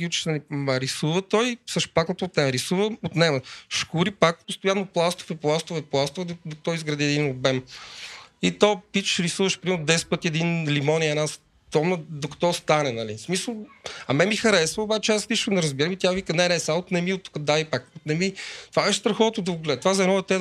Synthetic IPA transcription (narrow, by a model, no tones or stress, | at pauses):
iut͡ʃi̥ʃt̪ənimɐɾisuvət̪ɔjsəʃpaknət̪oːt̪nɛməɾisuvəot̪nɛməʃkuɾipak̚post̪ojanːoplˠast̪o̥fɛplˠast̪ofɛplˠast̪ofd̪okɐ̥t̪ɔizɡɾɐd̪iɛd̪inobɛm | it̪ɔpit͡ʃʃɾisuvəʃpɾimɛɾnʊd̪ɛsɛ̥t̪̚pət̪iɛd̪inlimɔniəɛnas | t̪ɔmnəd̪okɐ̥t̪ɔst̪anɛnɐlismisəlˠɐmɛmixɐɾɛsvəobat͡ʃɛaslit͡ʃkənɛɾəzbiɾəmit̪javikənɛnɛsaot̪nɛmiot̪ːu̥kəd̪avipakot̪nɛmit̪ovabɛʃst̪ɾɐxɔt̪od̪ɐɡlɛt̪vazɐɛnɔɛt̪ɛ